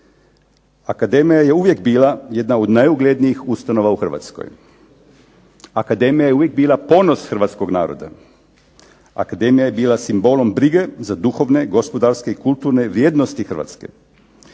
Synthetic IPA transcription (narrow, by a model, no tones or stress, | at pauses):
akad̪e̞mijaje̞uʋje̞kbiːlˠajed̪naod̪najuɡled̪nijixust̪ano̞ʋauxr̩ʋa̰t̪sko̰j | akad̪e̞mijajeuʋjek̚biːlˠapo̞no̞sxr̩ʋat̪sko̞ɡnaːɾo̰d̪a̰ | a̰kad̪e̞mijaje̞biːlasimbo̞lo̞mbɾiɡe̞zad̪uxo̞ʋne̞ɡo̞spo̞d̪aɾskeikulˠt̪uːɾne̞ʋɾjeːd̪nost̪ixr̩ʋa̰t̪ske̞̰